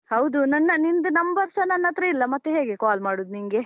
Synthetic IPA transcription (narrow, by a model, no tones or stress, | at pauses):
hɐwd̪unɐnːɐnind̪unɐmbɐɾsɐnːɐnːɐt̪ːɾɐilːɐmɐt̪ːeɦeːɡekaːlmaːɽuːd̪niŋɡe